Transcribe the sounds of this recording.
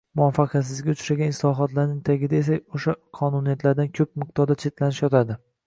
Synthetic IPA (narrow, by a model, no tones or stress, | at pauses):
mʊafɑqʰɑt̪s̬ɪzɡʲaʊt͡ʃʰɾaɡʲanɪslɒɦɒt̪laɾnɪŋt̪ʰaɡʲɪd̪aes̬aoʃaqʰɒnunijat̪ʰlaɾd̪ankʲʰɵp̚mɪq̚dt̪ɒɾd̪at͡ʃʰe̞t̪lanɪʃjɒt̪ʰad̪ɪ